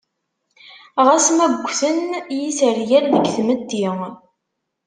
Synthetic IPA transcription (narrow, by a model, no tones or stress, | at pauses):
ʁæsmæɡʷːθənjisəɾjælðəɡθməd̪ːi